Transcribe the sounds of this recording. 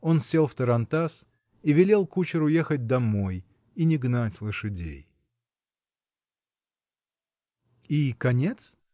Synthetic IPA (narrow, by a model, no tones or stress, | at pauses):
o̞nsʲe̞lˠft̪əɾɐnt̪as | ivʲɪlʲe̞lˠkut͡ɕɪɾʊje̞xət̚ʲd̪ɐmo̞j | inʲɪɡnatʲlˠɨʂɨdʲḛj | ikɐnʲe̞t̪s